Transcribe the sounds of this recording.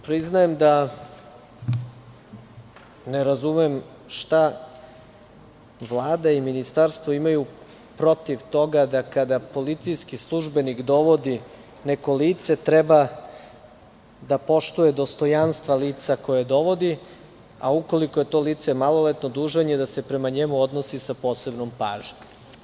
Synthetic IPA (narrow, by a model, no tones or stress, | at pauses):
pɾiznajemd̪a | neɾazumem | ʃt̪a | ʋlˠaːd̪aiminist̪aɾst̪ʋoimaju | pɾo̞t̪iʋt̪o̞ɡad̪akad̪apo̞lit̪sijskislˠuʒbe̞nikd̪o̞ʋo̞d̪i | nekoliːt̪se̞t̪ɾeba | d̪apo̞ʃt̪ujed̪o̞st̪o̞janst̪ʋaliːt̪sako̞jed̪o̞ʋo̞d̪i | a̰uko̞likoje̞t̪o̞liːt̪semalolet̪no̞d̪uːʒeɲe̞d̪ase̞pɾe̞maɲemuo̞d̪nosisapo̞ːse̞bnompaːʒɲ